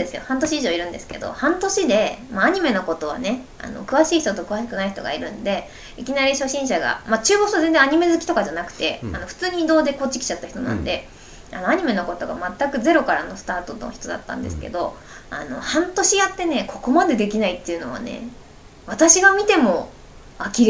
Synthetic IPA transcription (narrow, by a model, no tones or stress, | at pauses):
d̪esɨjo̞̰hãnt̪̬o̞ɕiːʑo̞ːiɾɯ̟̃nd̪e̞sɨ̥ke̞d̪o̞̰hãnt̪o̞ɕid̪e̞maaɲ̟ime̞no̞ko̞t̪o̞βa̰ne̞ | a̰no̞̰kɯ̟βaɕiːçi̥t̪ot̪okɯ̟βaɕi̥kɯ̟naiçi̥t̪o̞ɡa̰iɾɯ̟̃nd̪e̞ | ikʲinaɾʲiɕo̞ɕĩɰ̃ɕaɡa̰mat͡ɕɨːbokst̪oze̞nd͡zẽaɲ̟ime̞zɨkʲi̥t̪o̞kaʑanakɯ̟̥t̪e̞ano̞ɸɯ̟̥t͡sɨːɲ̟iːd̪o̞ːd̪e̞ko̞t͡ɕːi̥kʲi̥t͡ɕat̪ːaçi̥t̪o̞nã̰nd̪e̞ | a̰no̞aɲ̟ime̞no̞ko̞t̪o̞ɡa̰mat̪ːakɯ̟ze̞ɾo̞kaɾano̞sɨ̥t̪aːt̪o̞t̪oçi̥t̪o̞d̪a̰t̪ːã̰nd̪e̞̰sɨ̥ke̞̰d̪o̞̰ | a̰no̞̰hãnt̪o̞ɕijat̪ːe̞ne̞kʰo̞ko̞mad̪e̞d̪e̞kʲinait̪ːe̞iɯ̟no̞β̞a̰ne̞̰ | β̞at̪aɕiɡamʲit̪e̞mo̞ | akʲiɾ